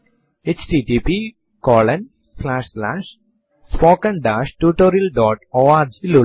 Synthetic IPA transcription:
et͡ʃʈiʈipi | kɔːlɐ̃n | slaːʂslaːʂ | spoːkɐ̃ɳɖaːʃʈjuːʈoːɾiɐlɖɔːʈoːaːɾd͡ʒilu

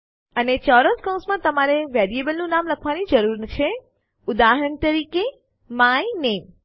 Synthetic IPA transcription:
ənet͡ʃɔɾəskɔw̃smãt̪əmaɾeʋɛɾiebəlnũnamləkʰʋanid͡ʒəɾuɾnt͡ʃʰe | ʊd̪aɦəɾəɳt̪əɾike | majnem

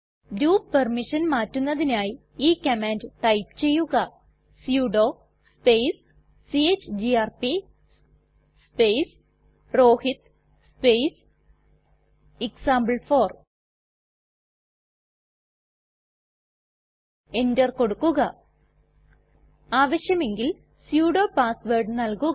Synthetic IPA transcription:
duːppɐrmiʂɐnmaːtːunːɐðinaːji | iːkɐmaːndʈɐjpt͡ɕe̞jːuɣɐ | sjuːɖoː | spejs | siet͡ɕːd͡ʑiaːrpi | spejs | roːhit̪ | spejs | iksaːmbɐɭfo̞ːr | e̞ndɐrko̞ɽukːuɣɐ | aːʋɐɕjɐme̞ŋɡil | sjuːɽo̞ːpaːsʋerɖnɐlku

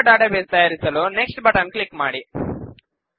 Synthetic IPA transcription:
ɖaːʈɐʋeːst̪ɐjaːɾisɐloːneksʈbɐʈɐnklikmaːɽi

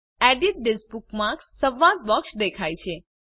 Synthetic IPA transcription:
ɛɖiʈ̚ɖɪspukmãksəʋːad̪̚bɔksd̪ekʰajt͡ʃʰe

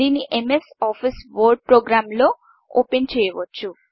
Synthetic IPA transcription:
iniʔemesɔfʰisʋoɾɖ̚pɾoɡɾamlo | o̰pent͡ʃʰejbotːt͡ʃʰu

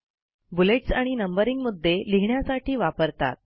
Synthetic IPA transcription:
buleʈsaɽ̃inəmbəɾiŋɡmud̪ʱːeliɦɳjasaʈiːʋapəɾt̪a̰t̪̚

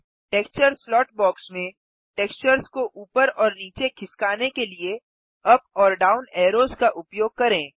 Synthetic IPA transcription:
ʈeːkst͡ʃəɾslɔːʈbɔːksmẽ | ʈeːkst͡ʃəɾskoʔuːpəɾɔːɾniːt͡ʃekʰɪskaːnekelie | ɐpɔːɾɖaːʊnɛːɾoːzkaʔʊpjoːɡ̚kɐɾẽː

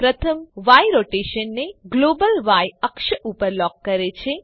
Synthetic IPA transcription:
pɾət̪ʰəmʋajɾoʈeʃənːeɡloːbəlʋajəkʃəʔupəɾlɔkːəɾet͡ʃʰe

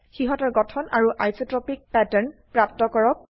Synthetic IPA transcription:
xiɦɔtɔɹɡɔtʰɔnaɹuʔajsɔtɹɔpik̚pɛtɛɹnpɹap̚tɔkɔɹɔk̚

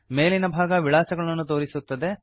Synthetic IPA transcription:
me̞ːlinɐbʱaːɡɐʋiɭaːsɐɡɐɭɐnːut̪o̞ːɾisut̪ːɐd̪e̞

